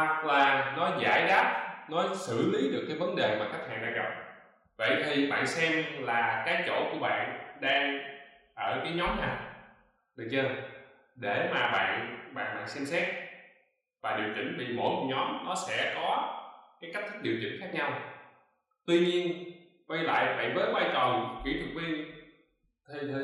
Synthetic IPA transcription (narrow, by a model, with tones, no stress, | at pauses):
t̚laː˨˩nɔ˨˦za̰ː˧˩jɗaː˦˥t̚nɔ˨˦sɨ̰˧˩li˨˦ɗɨ˨˩əkːaː˨˦jvə˨˦nɗe˨˩maː˨˩kaː˦˥k̚ha̰ː˧˨nɗa̰ː˧˥ŋɣə˨˩p̚ | və̰˧˨jt̪ʰi˨˩ɓa̰ː˧˨nsɛ˧mlaː˨˩kaː˨˦jt͡ɕo̰˧˩ku˧˩əɓa̰ː˧˨nɗaː˧ŋ | ʔəː˧˩kaː˨˦jɲɔ˨˦mnaː˨˩ | ɗɨ˨˩k̚ɲaː˧ | ɗe˧˩maː˨˩ɓa̰ː˧˨nɓa̰ː˧˨nɓa̰ː˧˨nsɛ˧msɛ˦˥t̚ | vaː˨˩ɗi˨˩əwt͡ɕï˧˩ŋ̟ɓḭ˧˨mo̰˧˩˦ɲɔ˨˦mnɔ˨˦sɛ̰˧˥kɔ˨˦kaː˨˦jka˦˥k̚t̪̚ʰɗi˨˩wt͡ɕï˧˩ŋ̟xaː˦˥k̚ɲa˧w | t̪wi˧ɲi˧ən | kwa˧jla̰ː˧˨jɓa̰ː˧˨nvəː˨˦jkwaː˧jt͡ɕə˨˩wŋ͡mxwḭ˧˥t̪ʰɨ˨˩k̚vi˧ən | t̪ʰ